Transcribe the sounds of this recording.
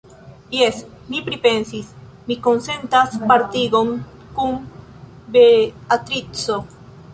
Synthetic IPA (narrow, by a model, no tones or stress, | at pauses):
jes | mipɾipensis | mikonsent̪aspaɾt̪iɣoŋ | kuŋ | beat̪ɾit͡so